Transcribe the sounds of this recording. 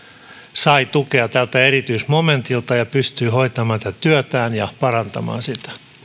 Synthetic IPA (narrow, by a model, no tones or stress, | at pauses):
sɑit̪ukeɑt̪ælt̪æerit̪yismoment̪ilt̪ɑjɑpyst̪yːhoit̪ɑmɑːnsit̪æt̪yøt̪æːnjɑpɑrɑnt̪ɑmɑ̰ːnsit̪æ̥